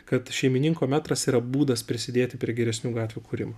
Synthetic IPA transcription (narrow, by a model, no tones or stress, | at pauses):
kɐt̪ʃʲɛɪmʲɪnʲɪŋkoːmʲæːt̪ɾɐsiːɾɐbuːd̪ɐspʲɾʲɪsʲɪd̪ʲeːt̪ʲɪpʲɾʲiɛɡʲɛɾʲɛsʲnʲuːɡɑːt̪ʲʋʲuːkʰuːɾʲɪ̰mɐ